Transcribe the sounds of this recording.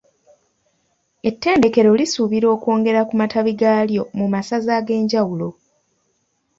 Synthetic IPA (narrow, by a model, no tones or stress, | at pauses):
e̞tːe̞ːnde̞ke̞ɾo̞ːlisuβiɾo̞ːkwo̞ːŋɡe̞ɾakumatʰaβiɡaːljo̞mumasazaːɡe̞ːɲɟawulo̞